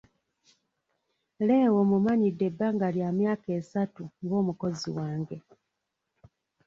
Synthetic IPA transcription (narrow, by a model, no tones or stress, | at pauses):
le̞ːwo̞mumaɲidːe̞bːaːŋɡaljaːmjaːke̞ːsatuŋɡo̞ːmuko̞ziwaːŋɡe̞